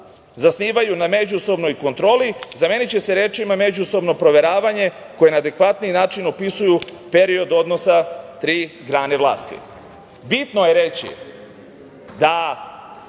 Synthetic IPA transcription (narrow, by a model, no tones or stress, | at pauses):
zasniːʋajuname̞d͡ʑuso̞bno̞jko̞nt̪ɾo̞ːlizame̞nit͡ɕe̞se̞ɾe̞ːt͡ʃimame̞d͡ʑuso̞bno̞pɾo̞ʋe̞ɾaːʋaɲe̞ | ko̞je̞naːd̪e̞kʋat̪ninaːt͡ʃinopisujupe̞ɾio̞d̪o̞d̪no̞sat̪ɾiːɡɾaːne̞ʋlˠa̰ːst̪ḭ | bit̪no̞je̞ɾe̞t͡ɕḭ | d̪a